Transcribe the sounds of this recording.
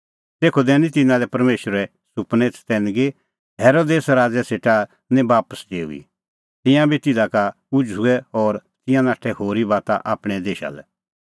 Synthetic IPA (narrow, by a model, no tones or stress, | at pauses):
t̪eːkʰod̪ɛːnĩt̪ɪnãlɛpɐɾmeːʃəɾɛ | sʊpnet͡sʰt̪ɛːnɡe | ɦɛːɾod̪eːsɾaːd͡zɛseːʈa | nɛ̃baːpəsd̪eːṵḭ | t̪ɪ̃jãbit̪ɪd̪aka | ʊd͡ʒʊɛɔːɾt̪ɪ̃jãnaːʈʰɛhoːɾibaːt̪aʔaːpɽ̃ɛd̪eːʃa̰lɛ̰